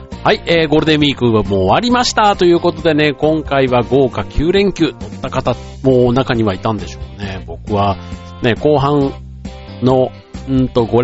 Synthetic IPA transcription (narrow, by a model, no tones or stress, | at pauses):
haieːɡo̞ɾɯ̟d̪e̞mʲiːkɯ̟βamoːβaɾʲimaɕi̥t̪at̪o̞jɯ̟ːko̞t̪o̞d̪e̞ne̞kõ̞ŋkaiβaɡo̞ːkakʲʰɨːɾẽ̞ŋkʲɨːt̪o̞t̪ːakat̪a | mo̞ːnakaɲ̟iβait̪ãnd̪e̞ɕo̞ːne̞bo̞kɯ̟βa | ne̞ko̞ːɦãn | no̞ | ɯ̃nt̪o̞ɡo̞ɾ